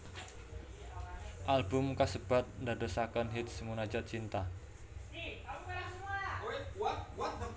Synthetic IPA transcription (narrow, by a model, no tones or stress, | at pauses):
ʔalbʊmkasəb̥a̤t̪̚ndadosakənɦit̪̚səmunad͡ʒat̪̚t͡ʃint̪a